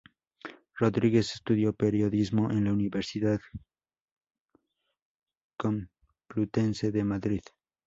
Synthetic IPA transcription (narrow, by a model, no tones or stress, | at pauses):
ro̞ðɾiɣe̞sest̪uðjo̞peɾjo̞ðizmo̞ʔenlauniβeɾsiðað | kom | plut̪enseðemaðɾið